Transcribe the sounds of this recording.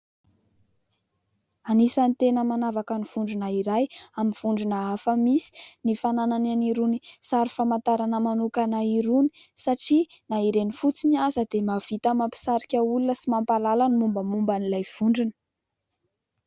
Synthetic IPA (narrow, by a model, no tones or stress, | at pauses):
anisanit̪enəmanavakəniv̥uɳɖ͡ʐunaiɾajaminv̥uɳɖ͡ʐunəafəmisi̥nifananananiɾunisaɾufamant̪aɾanəmanukanaiɾuni̥saʈ͡ʂinaiɾenifut͡sinazəd̪emav̥it̪amampi̥saɾikʲaulunəsimampalalanimumbəmumbanilajv̥uɳɖ͡ʐunə̥